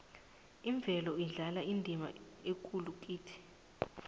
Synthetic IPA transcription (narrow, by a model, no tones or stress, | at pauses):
iɱb̪vʱɛlɔiɮalaindʱima̰ | ekʼuluk̬ʼiːtʰi̥